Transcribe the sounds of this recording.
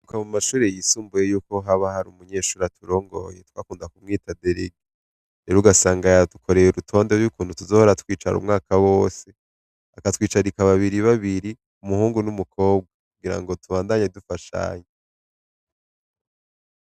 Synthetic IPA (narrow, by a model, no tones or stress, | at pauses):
ukamumaʃuːɾejisuːmbujejuːko̞ɦaβahaɾumuɲe̞ːʃuːɾatʰuɾo̞ːŋɡo̞̰jetwaːkuːndakumŋiːtʰadeɾeɡe | eɾuɡasaːŋɡatukʰo̞ɾejuɾutʰo̞ːnde̞ɾjukuːnhutuzo̞ːhoɾatwiːt͡ʃa̰ɾṵmŋaːkawo̞ːse̞ | akatwiːt͡ʃaɾikaβaβiɾiβaβiɾi | umuhuːŋɡunumukʰo̞ːbɡakuɡiɾa̰ŋɡo̞tʰuβaːndaɲedufaʃa̰ːɲe